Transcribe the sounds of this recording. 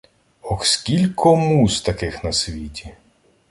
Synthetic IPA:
ɔxskʲilʲkʰɔmust̪ɐkɪxnɐsʲʋʲitʲi

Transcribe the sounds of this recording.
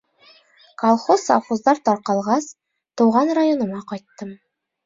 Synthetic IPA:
kolˠχosa̰fozd̪ɑɾt̪ɒɾqɑlˠʁɑs | t̪uwʁɑnrajonɤ̆mɑqɒjt̪ːɤm

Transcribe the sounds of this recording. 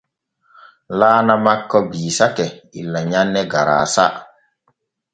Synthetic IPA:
laːnamakːɔbiːsakɛḭlːaɲanːɛɡaɾa̰ːsa

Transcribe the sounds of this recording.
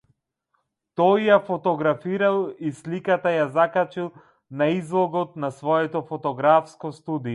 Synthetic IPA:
t̪ɔjːafɔt̪ɔɡɾafiɾalˠislikat̪ajazakat͡ʃilˠ | naizlˠɔɡɔt̪nasvɔɛt̪ɔfɔt̪ɔɡɾafskɔst̪ud̪ijɔ

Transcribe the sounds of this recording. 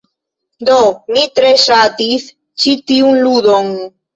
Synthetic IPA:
d̪onit̪ɾesat̪iθ | t͡ʃit̪iunluðoŋ

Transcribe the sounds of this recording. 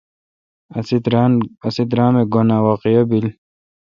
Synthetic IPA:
ɐsit̪̬ɾaːmeɡonaːwaqijɐbil

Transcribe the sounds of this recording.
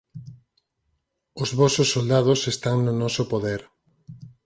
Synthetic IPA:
ʊzβɔsʊsːold̪aðʊsest̪aŋnʊnɔsopoðɛɾ

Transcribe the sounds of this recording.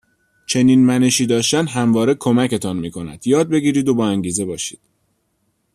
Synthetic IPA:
t͡ʃʰe̞niːnmæne̞ʃiːd̪ɒːʃt̪ænɦæmvɒːɾe̞kʰo̞mæce̞t̪ʰɒːnmiːkʰo̞næ̰d̪̥jɒːd̪̚be̞ɡiːɾiːd̪o̞bɒːæŋɟiːze̞bɒːʃi̥ːd̪̥

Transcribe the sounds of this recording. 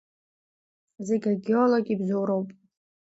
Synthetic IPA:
zeɡʲaɡioloɡʲibzowɾowpʼ

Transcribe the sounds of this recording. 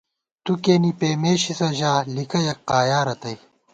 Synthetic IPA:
t̪ukeːnipeːmeːɕisɐʑaːlikɐjɐk̚qaːjaːɾɐt̪ɐj

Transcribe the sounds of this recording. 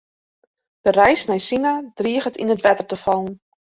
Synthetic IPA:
d̥ərɛjsnɛjsinad̥riəɣətḭnətʋɛtərtəfɔlˠn

